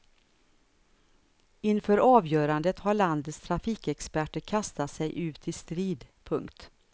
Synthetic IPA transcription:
ɪnfœːɾɑːvjœːɾand̪ət̪haɭand̪ət̪st̪ʰɾafiːkɛkspæʈəɾkʰast̪at̪sɛjʔʉ̟ːt̪ʰɪlst̪ɾiːd̪pʰɵŋkt̪

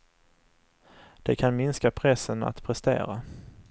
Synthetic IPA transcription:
d̪̥ɛkʰanmɪnskapʰɾɛsːəna̰t̪pʰɾɛst̪ḛːɾa̰

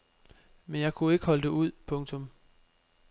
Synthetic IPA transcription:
menjɑ̈ɪkʰue̝ɡ̥əhɒ̽ləd̥e̝uð̞̰ˠpʰɔ̽ŋt͡sʰɔ̽m

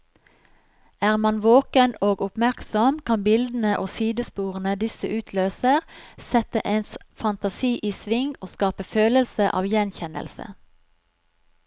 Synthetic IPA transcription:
æːʁmɑnʋoːkənoːɡʊpmæʁksɔmkʰɑnbɪld̪n̩əʔoːsiːd̪əspuːʁənəd̪ɪsəʔʉːt̪ʰløːsəʁsɛt̪əʔeːnsfɑnt̪ɑsiːʔiːsʋɪŋoːskɑːpəføːləlsəʔɑ̰ːʋjɛnçɛnə̰lsə̰

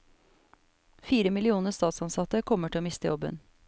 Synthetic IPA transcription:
fiːɾəmɪlɪuːnəst̪ɑːt̪sɑnsɑt̪əkʰɔməʈʰɪloːmɪst̪əjɔbə̰n

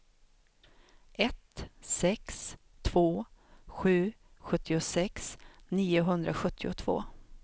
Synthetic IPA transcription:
ʔɛt̪sɛks | t̪ʰv̥oːɧʉ̟ː | ɧɵt̪ːɪʊsɛksniːʊɦɵnd̪ɾʔaɧɵt̪ʰːɪʊ̰t̪ʰv̥o̰ː

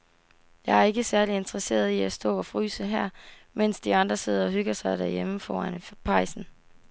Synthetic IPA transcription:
jɑ̈ɪæɐe̝ɡ̥əsæɐlie̝nt͡sʰʁɐse̝̰ːɐð̞ˠiæsd̥ɔ̰̽ːɒ̽fʁy̰ːsəɦæɐ̰men̰sd̥iɑ̈nd̥ʁɐse̝ð̞̰ˠɐɒ̽ɦyɡ̥ɐsɑ̈ɪd̥æɐ̰jeməfɒ̰ɐnəpʰɑ̈ɪ̰sn̩

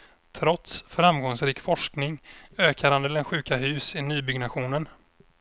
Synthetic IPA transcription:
t̪ʰɾɔt̪sfɾamɡɔŋsɾiːkfɔʂknɪŋøːkaɾand̪əlɛnɧʉ̟ːkaɦʉ̟ːsɪnyːbʏɡnaɧuːnən

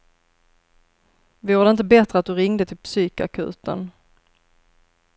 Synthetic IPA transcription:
vɪjuːɖ̪əɪnt̪əbɛt̪ɾəat̪̚d̪ɵɾɪŋd̪ət̪ʰɪlpsyːka̰kʰʉ̟̰ːt̪ə̰n

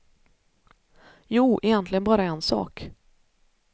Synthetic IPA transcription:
juːʔɛjɛnt̪ʰlɪɡənbɑːɾaɛnsɑ̰ːk

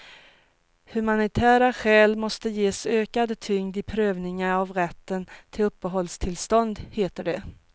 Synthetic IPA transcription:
hɵmanɪt̪ʰæːɾaɧɛːlmɔst̪əjeːsøːkad̪t̪ʰʏŋd̪ɪpʰɾøːvnɪŋaɾavɾɛt̪ːənt̪ʰɪlɵpːəɦɔlːst̪ʰɪlst̪ɔnd̪heːt̪əɖɛ

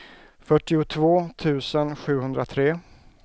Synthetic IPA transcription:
fœʈːɪʊt̪ʰvoːt̪ʰʉ̟ːsənɧʉ̟ːhɵnd̪ɾat̪ʰɾeː

